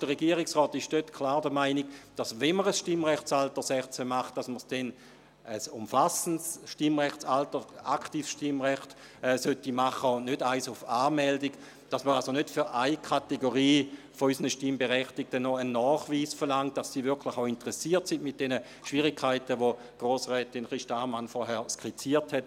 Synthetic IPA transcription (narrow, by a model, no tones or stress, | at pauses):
d̥əʁeɡiːəʁɪksʁɔːtɪʃd̥øtkʰlaːʁdəmaɪniɡd̥asvɛnməʁəsʃtimʁɛχtt͡saltəsɛχt͡sɛmaχt̚d̥asməʁsd̥ɛn | əsʊmfasən̩sʃtimʁɛχtt͡saltəa̰ktiːfsʃtimʁɛχt | ɛːsøtimaχəʊnødaɪsʊfaːmɛldik | d̥asməɾʁalsonøtfyɾʔaɪkʰateɡoʁiː | foysənəʃtimbeʁɛχtik̚tənːɔənːɔːχviːsfəɐʁlaŋt̚d̥asːiːvɪɐkʰlɪχaʊintəʁɛsiːɐtsindmɪt̚d̥ɛnə | ʃviʁikʰaɪtəʋo | ɡ̥ʁoːsʁɛːtinχʁiʃtamanfɔɦɛːɐskʁ̥it͡siːɐthɛt̚